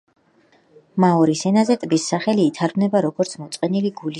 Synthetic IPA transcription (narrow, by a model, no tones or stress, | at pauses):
maɔɾisɛnazɛt̪ʼbisːaχɛliːt̪ʰaɾbnɛbaɾɔɡɔɾt̪sʰmɔt̪sʼqʼɛniliɡul